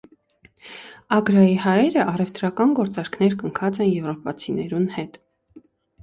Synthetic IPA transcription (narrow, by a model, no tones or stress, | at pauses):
ɑɡɾɑihɑjɛɾəʔɑrɛvt̪ɾɑkɑnɡɔɾt͡sɑɾkʰnɛɾkəŋkʰɑt͡sɛnjɛvrɔpɑt͡sʰinɛɾunhɛt̪